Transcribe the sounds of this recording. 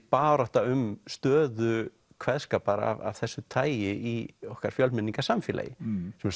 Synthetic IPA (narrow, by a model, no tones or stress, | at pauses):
paːɾɔht̪aʏmst̪œːðʏ | kʰvɛðskaːpaɾa̰va̰v̥θɛsːʏt̪ʰaːjjɪiɔhkaɾ̥fjœlmɪnːiŋkḁsamfɪla̰jɪ̰sɛmɛ